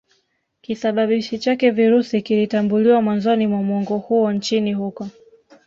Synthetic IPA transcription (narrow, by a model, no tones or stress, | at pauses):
kisaɓaɓiʃit͡ʃakɛviɾusikilitambuliwamwanzɔnimwamɔŋɡɔhuɔnt͡ʃinihukɔ